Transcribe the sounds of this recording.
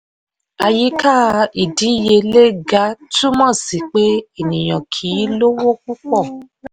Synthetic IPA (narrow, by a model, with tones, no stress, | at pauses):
a˧ji˦ka˦˨˧i˨di˨˦˨je˧le˦ɡa˨˦tũ˦mɔ̃˦˨si˨k͡pe˦e˦˨nĩ˨j̃ɔ̃˨kʰiː˨˦lo˦wo˦ku˦k͡pɔ˦˨